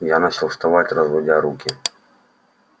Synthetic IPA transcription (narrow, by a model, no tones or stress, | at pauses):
janat͡ʃɪlˠst̪avatʲrɐzvɔdʲaɾukʲɪ